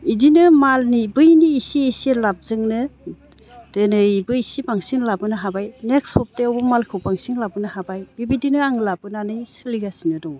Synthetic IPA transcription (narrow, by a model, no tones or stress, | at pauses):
idinɯmalnibɯjniːsiːsilap̚zɯŋnɯ | d̥ɯnɯbɯisipaŋsiŋlabɯnɯɦabajneksɔp̚teɔbɔmalkʰɯwpaŋsiŋlabɯnɯhabajbibidinɯaŋlabɯnanɯjsɯliɡasinɯdɔŋ